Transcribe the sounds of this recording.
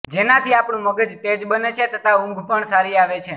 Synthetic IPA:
d͡ʒenat̪ʰiapɳũməɡəd͡ʒt̪ed͡ʒbənet͡ʃʰet̪ət̪ʰaũŋɡʱpəɳsaɾiaʋet͡ʃʰe

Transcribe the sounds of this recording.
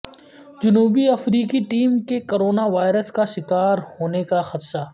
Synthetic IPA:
d͡ʒʊnuːbiɐfɾiːkiʈiːmkekoɾoːnaʋaːɪɾəskaʃɪkaːɾhoːnekaxɐt̪ʃaː

